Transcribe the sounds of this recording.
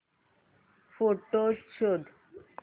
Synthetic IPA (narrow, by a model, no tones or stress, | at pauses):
foʈːost͡ɕʰod̪